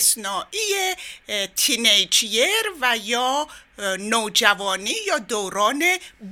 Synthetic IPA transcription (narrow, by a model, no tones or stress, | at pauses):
snɒːʔijet̪ʰinejd͡ʒieɾvæjɒː | noːd͡ʒævɒːniːjɒːd̪oːɾɒːne̞b